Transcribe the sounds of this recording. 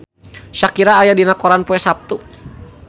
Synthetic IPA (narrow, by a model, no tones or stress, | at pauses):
ʃakiɾaːjadinakɔɾanpɔɛsap̚t̪u